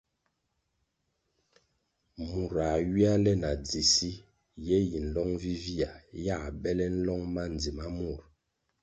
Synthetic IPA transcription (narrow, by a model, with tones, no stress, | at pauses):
mu˨ɾa˨ɥi˦a˦lɛ˦na˨d͡zi˨si˦ | jɛ˦ji˨n̩˨lɔ˦ŋvi˦vi˦a˨ja˦˨bɛ˦lɛ˦n̩˦lɔ˦ŋma˦n˨d͡zi˨ma˦mu˨ɾ